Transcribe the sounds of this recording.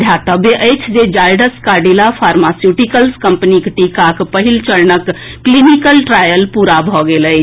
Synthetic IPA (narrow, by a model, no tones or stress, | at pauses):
d̪ʱjat̪əbjeʔəjt͡ʃʰd͡ʒed͡ʒajɖəskaɖilapʰaɾmasjuʈikəlskəmpənikʈikakpəɦilt͡ʃəɾnəkːlinikəlʈɾajəlpuɾabʱɔɡeləjt͡ʃʰ